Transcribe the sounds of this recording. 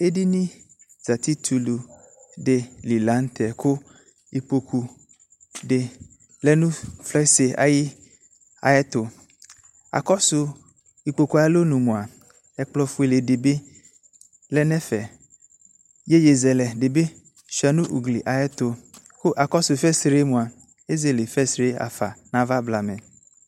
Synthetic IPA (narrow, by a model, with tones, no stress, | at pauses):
e˦di˦nĩ˦ | z̥a˨t̪i˦t̪ʰu˨lu˨ | ɖe˨li˨la˨˦n˦t̪ɛ˨ko˦ | i˨k͡po˨ku˨ | ɖe˨ | lɛ˦nũ˦flɛ˦se˨a̰˨ji˦ | a̰˨ɛ˦t̪o˨ | a̰˨kɔ˦su˨ | i˨k͡po˨ku˨˦a˨e˦lo˦nũ˨mũ˨a˨ | ɛ˨k͡plɔ˨fu˦e˨le˨de˨be˦ | lɛ˦nɛ̃˦fɛ˨ | je˦je˨zɛ˨lɛ˨ɖe˨be˦ | ʃi˨a˨nũ˦ʔu˨ɡli˨ʔa˨ɛ˦t̪o˨ | ko˦ʔa˨kɔ˦su˨fɛ˦sɾe˦mũ˨a˨ | e˦ze˨le˨fɛ˦sɾe˦a̰˨fa̰˨nã˦va˦bla˨mɛ̃˨